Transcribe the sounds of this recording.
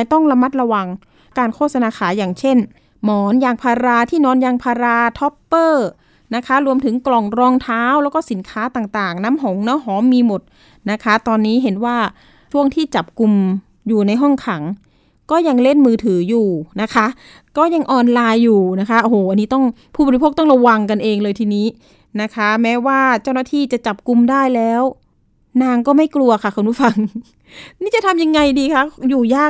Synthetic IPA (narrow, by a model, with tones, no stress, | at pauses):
jt̪ɔ˥˩ŋɾa˧ma˦˥t̪̚ɾa˧wa˧ŋ | kaː˧nkʰoː˥˩t̪̚sa˧naː˧kʰaː˩˦jaː˨˩ŋt͡ɕʰe˥˩n | mɔː˨˩˦njaː˧˩ŋpʰaː˧ɾaː˧t̪ʰiː˥˩nɔː˦˥njaː˧ŋpʰaː˧ɾaː˧t̪ʰɔ˦˥pːɤː˥˩ | na˦˥kʰa˦˥ɾu˧əmt̪ʰɯ˩˦ŋklɔ˨˩ŋɾɔː˧ŋt̪ʰaː˦˥wlɛː˦˥wkɔː˥˩si˩˦nkʰaː˦˥t̪aː˨˩ŋt̪aː˨˩ŋnaː˦˥mɦo˨˩˦ŋnɔː˦˥ɦɔː˩˦mːiː˧mo˨˩t̪̚ | na˦˥kʰa˦˥t̪ɔː˧nːiː˦˥ɦe˩˦nwaː˥˩ | t͡ɕʰu˥˩əŋt̪ʰiː˥˩t͡ɕa˨˩p̚ku˧m | juː˨˩na˧jɦɔ˥˩ŋkʰa˩˦ŋ | kɔː˥˩ja˧ŋle˥˩nmɯː˧t̪ʰɯː˩˦juː˨˩na˦˥kʰa˦˥ʔ | kɔː˥˩ja˧ŋʔɔː˧nlaː˧jːuː˨˩na˦˥kʰa˦˥ʔo˧hoː˨˩ʔa˧nːiː˦˥t̪ɔ˥˩ŋ | pʰu˥˩bɔː˨˩˧i˧pʰoː˥˩k̚t̪ɔ˥˩ŋɾa˧wa˧ŋka˧nʔeː˧ŋlɤː˧jt̪ʰiː˧niː˦˥ | na˦˥kʰa˦˥mɛː˦˥waː˥˩t͡ɕa˥˩wnaː˥˩t̪ʰiː˥˩t͡ɕa˨˩t͡ɕa˨˩p̚ku˧mdaː˥˩jlɛː˦˥w | naː˧ŋkɔː˥˩ma˥˩jklu˧ɐkʰa˧˥˩kʰo˧npʰu˦˥˩fa˧ŋ | niː˦˥t͡ɕa˨˩t̪ʰa˧mja˧ŋːa˧jdiː˧kʰa˦˥˩juː˨˩jaː˥˩